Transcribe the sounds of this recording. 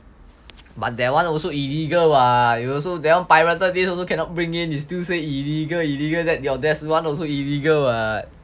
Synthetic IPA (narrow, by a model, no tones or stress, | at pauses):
bat̚dɛwãnɔlsoiliɡəlwaiɔls̬odɛwãnpajɹatədesɔlsokʰɛ̃nɔt̚bɹĩŋĩnistiseiliɡəliliɡəldɛt̚diɔdɛswãnɔlsoiliɡəlwa